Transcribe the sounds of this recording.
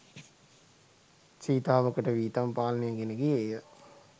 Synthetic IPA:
t͡ʃiːt̪aːʋəkəʈəʋiːt̪ampaːlɐnejəɡeneɡiejə

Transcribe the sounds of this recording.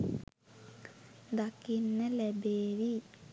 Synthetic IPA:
d̪ɐkːinːɐlebeːʋi

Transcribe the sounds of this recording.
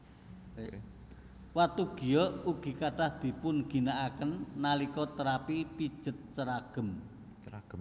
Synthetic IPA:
wat̪uɡ̥i̤jɔuɡ̥i̤kaɖ̥a̤hd̪̥i̤pʊnɡ̥i̤naʔakənːalikɔt̪əɾapipid̥ʒ̥ə̤t̪̚t͡ʃəɾaɡ̥ə̤m

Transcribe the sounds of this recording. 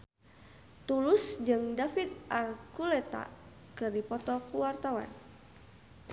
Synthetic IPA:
t̪ulʊsd͡ʒɨŋdafid̪ʔarkulɛt̪a̰ | kɨrdipɔt̪ɔkuwart̪awa̰n

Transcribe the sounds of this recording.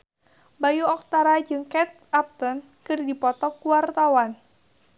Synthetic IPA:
bajuɔk̚t̪aɾad͡ʒɨŋkɛt̪̚ap̚t̪ɔn | kɨrdipɔt̪ɔkuwart̪awan

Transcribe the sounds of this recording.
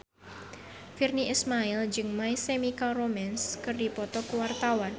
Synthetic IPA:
firniʔismaild͡ʒɨŋmaisemikalromɛnskɨrdipɔt̪ɔkəwart̪awan

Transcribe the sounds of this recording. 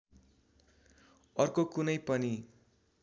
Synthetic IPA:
ʌrkokunʌjpʌni

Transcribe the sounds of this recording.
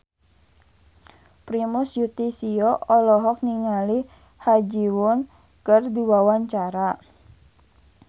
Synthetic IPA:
pɾimʊsjut̪isiɔʔɔlɔɦɔk̚niŋali | had͡ʒiwʊn | kərdiwawaɲt͡ʃaɾa

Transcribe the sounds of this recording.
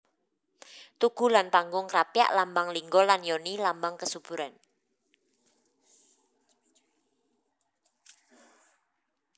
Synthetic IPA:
t̪uɡ̥ṳlanpaŋɡʊŋkɾapja̰ʔlambaŋliŋɡɔlanjɔnilambaŋkəsub̥uɾan

